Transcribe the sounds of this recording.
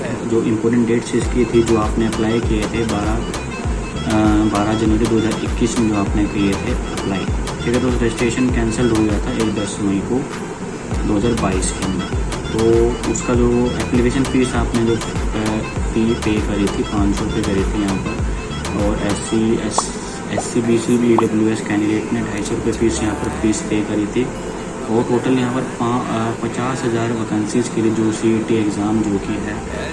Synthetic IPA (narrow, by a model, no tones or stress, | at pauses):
d͡ʒoːʔɪ̃mpoːɾʈə̃ɳʈɖeːʈsɪskit̪ʰid͡ʒoːaːpneɐplaːikiet̪ʰebaːɾa | baːɾad͡ʒɐnʋəɾid̪oːɦəzaːɾɪkːiːsmẽd͡ʒoaːpnekiet̪ʰeɐplaːik̪ʰekət̪oːsɾɛd͡ʒɪsʈɾeːʃənkɛ̃ːnsəlɾoɡɐjat̪ʰaeːk̚b̪ɐsːɐməiko | d̪oːɦɐzaːɾbaːiːskẽna | t̪oːʊskad͡ʒoːɛːkliʋeːʃənfiːsaːpned͡ʒoː | fiːpeːkɐɾit̪ʰipãːt͡ʃsɔɾʊpekɐɾit̪ʰijɐɦãːpɐɾ | ɔːɾɛːsis | ɛːsibiːsiliːɖɐbljueskɛːnɪɖeːʈmẽɖʱaːisɔɾʊpefiːsjɐɦãːpɐɾpiːspeːkɐɾit̪ʰi | ɔːɾʈoːʈəljɐɦãːpɐɾãpɐt͡ʃaːsɦɐzaːɾʋɐkə̃nsiskiɾid͡ʒoːsiːʈiekzaːmd͡ʒoːkiɦɛː